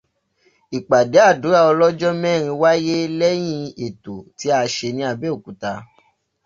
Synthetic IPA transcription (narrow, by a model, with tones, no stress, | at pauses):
i˨k͡pa˨de˨˦a˦˨du˨˦ɾa˦˨ɔ˧lɔ˦d͡ʒɔ˦mɛ̃ː˦˨ɾ̃ĩ˧wa˦je˦lɛ˦j̃ĩ˧e˨to˨ti˨˦a˧ʃe˧nĩ˧˦a˧bɛ˦o˦˨ku˨˦ta˧